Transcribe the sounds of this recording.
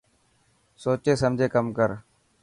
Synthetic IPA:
soːt͡ʃeːsəmd͡ʒʱeːkəmkəɾ

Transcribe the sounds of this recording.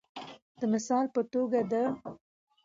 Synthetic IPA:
d̪̥əmɪsɑlpət̪oɡad̪ə

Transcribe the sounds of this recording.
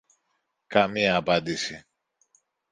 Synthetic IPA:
kɐmiɐːpɐnd̪isi

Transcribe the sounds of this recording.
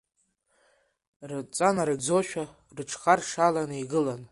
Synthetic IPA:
rɨt͡sʼanaɾɨɡd͡zoʃᶣa | rɨʈ͡ʂʰχarʂalanɨiɡɨlan

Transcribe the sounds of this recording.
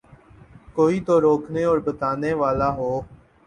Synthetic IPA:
koːit̪oːɾoːkʰneɔːɾbət̪aːneːʋaːlaːɦoː

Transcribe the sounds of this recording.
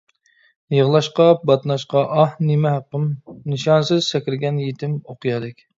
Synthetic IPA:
jəʁlˠɑʃqɑbɑt̪nɑʃqɑʔɑhnemɛɦæqːəmnɨʃɑnsɨz̥sɛkʲɪɾɪɡʲɛnjet̪ʰɪmoqʰɨjɑd̪ɪkʲ

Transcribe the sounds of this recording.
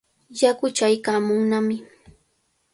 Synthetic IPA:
jakʊt͡ʃajkaːmʊŋnamɪ

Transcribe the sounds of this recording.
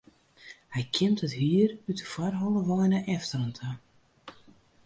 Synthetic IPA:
hɛjkʰɪmtətɦiərytəfarɦɔlˠəʋɔjnəʔɛftərəntʰə

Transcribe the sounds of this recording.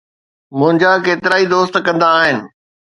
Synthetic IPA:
mʊ̃ɦɪ̃ɲd͡ʑakeːt̪ɪɾaːid̪oːst̪kɐ̃nd̪aːɦɪnɪ̆

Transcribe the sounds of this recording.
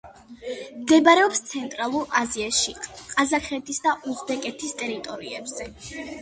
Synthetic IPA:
md̪ɛbaɾɛɔpst̪sʰɛnt̪ʼɾalˠuɾaziaʃiqʼazaχɛt̪ʰisd̪aʔuzbɛkʼɛt̪ʰist̪ʼɛɾit̪ʼɔɾḭɛbz̥ɛ

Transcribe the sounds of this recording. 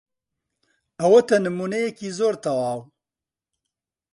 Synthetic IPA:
ɐwɐt̪ɐnɨmuːnejɛkiːzoːɾt̪ʰɐwaːw

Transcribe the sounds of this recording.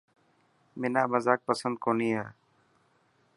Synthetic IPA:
mɪnaːməzaːk̚pəsənd̪̚koːniːɦa̰ː

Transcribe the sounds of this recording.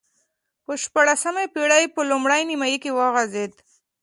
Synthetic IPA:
pəʃpaɽasamepiɽajpəlʊmɽajnimajikewɑɣazed̪

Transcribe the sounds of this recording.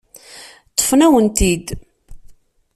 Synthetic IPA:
t̪ˤːə̥fnæwənt̪id̪

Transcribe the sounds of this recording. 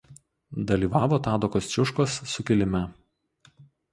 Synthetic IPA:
d̪ɐlʲiːʋɑːʋoːt̪ɑːd̪okoːst͡ʃʲʊʃkosːʊkʲɪlʲɪmʲɛ

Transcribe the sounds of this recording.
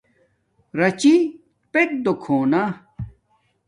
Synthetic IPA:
ɾɐt͡ɕi | pek̚d̪okʰoːna

